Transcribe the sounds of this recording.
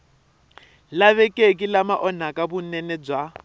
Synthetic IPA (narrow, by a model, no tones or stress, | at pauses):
laβɛkʼekʼilamaʔɔn̤akʼabunɛnɛd͡zwa